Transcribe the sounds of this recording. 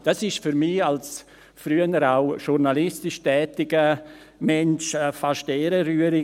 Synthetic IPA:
d̥asɪʃfyɾmials | fɾyənəɾaʊʃuɾnalɪstɪʃtɛːtɪɡ̥ə | mɛnt͡ʃəfaʃteːɾəɾyːəɾɪ

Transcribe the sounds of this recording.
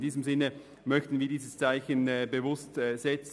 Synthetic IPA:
ndiːzəmzɪnə | mœçtn̩viːɐdiːzəst͡saɪçənːbəvʊstːz̥ɛt͡s

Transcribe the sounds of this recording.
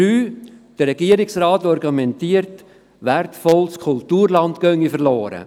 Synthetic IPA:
yːd̥əɾɛɡ̥iəɾɪksɾɑːtɔɾɡumɛntiəɾt | ʋærtfɔlskʰultuːɾlɑntɡ̥œŋːifəɾlɔːɾə̰

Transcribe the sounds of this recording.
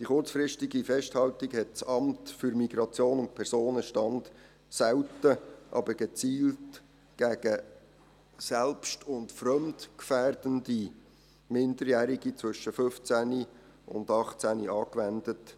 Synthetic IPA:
d̥iχʊɾt͡sfrɪʃtiɡifɛʃthɑltiɡhɛt̚t͡sɑmtfʏɾmiɡɾɑt͡sjoːnʊntpʰɛɾsoːnəʃtɑnd | sæwtəʔɑ̰bəɾɡ̥ɛt͡siːlt | ɡ̥æɡə | sɛlpʃtʰʊntfrœmdkfæːrd̥əndi | mɪndəɾjæːɾiɡit͡sʋʏʃəfʏft͡sæni | ʊ̰ndɑχt͡sæniɑːkʋændət

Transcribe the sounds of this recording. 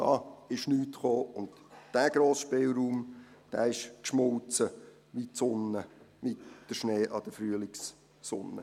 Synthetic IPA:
d̥ɑ̰ːɪʃnyːtχoːʊndd̥æːɡ̥ɾoːsʃpɪlˠɾuːm | d̥æːɪʃkʃmʊlt͡sə | ʋitsʊnːəmɪtd̥əʃneːʔɑd̥əfɾyəlɪksː | ʊ̰nːə̰

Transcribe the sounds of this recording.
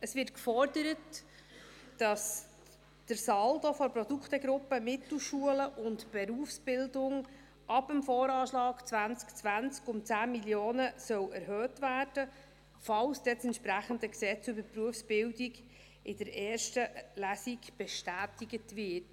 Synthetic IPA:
əsʋɪtkfɔrdəɾətː | ɑs | d̥əɾsɑldofɔɾprɔduktəɡɾʊpəmɪtl̩ʃuələʔʊntb̥ɛɾuəfsb̥ɪldʊŋ | ʔɑbəmfɔːɾɑːʃlɑːkt͡svʋænt͡skt͡sʋænt͡skʊmt͡sæːmiljoːnəsœwɛɾɦœːtvæːrd̥ə | fɑwsd̥ɛsɛnʃpɾæχəndəksɛt͡sybəpruəfsb̥ɪldiɡ | ɪd̥əɾʔɛːrʃtəlæsiɡb̥ɛʃtæːtiɡətʋɪt

